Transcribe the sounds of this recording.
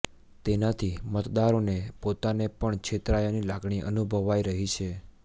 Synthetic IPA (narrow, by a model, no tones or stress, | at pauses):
t̪enat̪ʰimət̪d̪aɾonepot̪anepəɳt͡ʃʰet̪ɾajonilaɡɳ̃iʔə̰nubʱəʋajɾəɦit͡ʃʰe